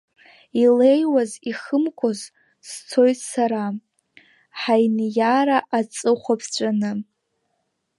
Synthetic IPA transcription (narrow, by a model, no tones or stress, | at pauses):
ilejwaziχəmkʷʰʼoz | st͡sʰo̞jtʰʼsaɾa | ħajnjaɾaʔat͡sʼɨχʷapʰt͡ɕʷʼanɨ